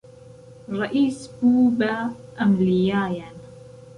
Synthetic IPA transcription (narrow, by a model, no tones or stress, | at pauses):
ɾˤɑʔiːsbuːbaːʔamlɪjaːjan